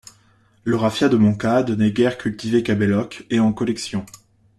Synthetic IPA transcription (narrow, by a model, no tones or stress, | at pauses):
ləʁafjad̪əmɔ̃kad̪nɛɡʲɛʁkʲylt̪ivekabɛlɔkeɑ̃kɔlɛksjɔ̃